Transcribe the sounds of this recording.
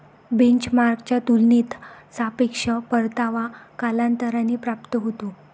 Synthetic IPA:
beɲt͡ɕmaɾkt͡ɕjat̪ulniːt̪sapekʂəpəɾt̪aʋakalant̪əɾaniːpɾap̚t̪əɦot̪u

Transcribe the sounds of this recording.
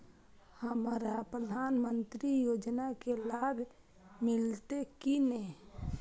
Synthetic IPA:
həmɾapɾəd̪ʱanmənt̪ɾijoːd͡ʒnakelabʱ | mɪlt̪ekine

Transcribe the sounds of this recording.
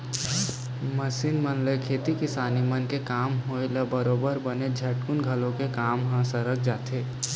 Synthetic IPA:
məsinmənlekʰeːt̪ikɪsaːnimənkekaːmɦoelabəɾoːbəɾbəned͡ʒʱɛʈ̚kunɡʱəlõkekaːmɦə̃səɾək̚d͡ʒaːt̪ʰe

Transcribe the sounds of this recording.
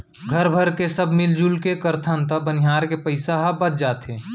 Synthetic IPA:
ɡʱəɾbʱəɾkesəbʱmɪld͡ʒulkekəɾt̪ʰənt̪əbənɪɦaːɾkepəɪsaɦabət̪̚d͡ʒaːt̪ẽː

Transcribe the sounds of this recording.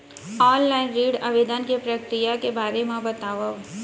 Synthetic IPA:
ɔːnlaːɪnɾiːɖaʋed̪ənkepɾəkɾijakebaːɾemãbɐt̪aːʋa

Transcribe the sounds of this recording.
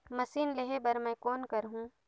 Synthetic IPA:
mɐsiːnleɦebɐɾmɛ̃ːkoːnkɐɾɦũː

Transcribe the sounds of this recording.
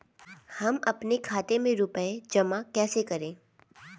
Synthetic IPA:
hɐmɐpnekʰaːt̪emẽɾʊpəed͡ʒɐmakɛːsekɐɾẽː

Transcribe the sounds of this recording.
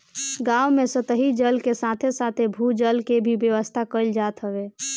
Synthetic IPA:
ɡawmesət̪əɦid͡ʒəlkesat̪ʰesat̪ʰebʱud͡ʒəlkebʱibjəʋəst̪ʰakəld͡ʒat̪ɦəʋe

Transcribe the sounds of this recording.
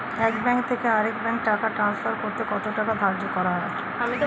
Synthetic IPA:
ɛkbɛŋkt̪ʰekeaɾekbɛŋk̚ʈakaʈɾansfaɾkoɾtk̪ekɔt̪oʈakad̪ʱaɾd͡ʑokɔɾaɦɔe

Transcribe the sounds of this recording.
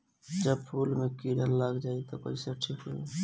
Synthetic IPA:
d͡ʒəbpʰulmekiɾəlːaɡd͡ʒajt̪ɔpə̰ɪsaʈʰikɦo̰

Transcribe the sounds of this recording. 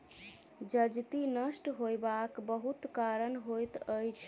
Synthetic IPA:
d͡ʒəd͡ʒt̪inəsʈɦojbakbəɦut̪kaɾənɦojt̪əjt͡ʃʰ

